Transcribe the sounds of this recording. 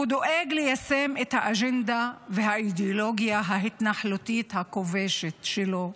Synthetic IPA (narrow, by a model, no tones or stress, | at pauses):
ud̪oʔeɡlejasemet̪haʔaʒend̪avehaid̪eoloɡjaɦaɦit̪naħlot̪it̪hako̞veʃet̪ʃelo̞